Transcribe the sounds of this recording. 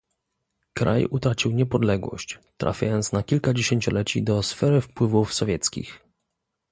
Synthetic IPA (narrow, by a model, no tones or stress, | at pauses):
kɾa̰jut̪ɾat͡ɕiwɲɛpɔd̪lɛɡwɔ̰ɕt͡ɕt̪ɾa̰fʲja̰jɔnt̪snakʲilkad͡ʑeɕeɲt͡ɕɔlɛt͡ɕḭd̪ɔsfɛɾɘfpwɘvufsɔvʲjɛt̪skʲḭx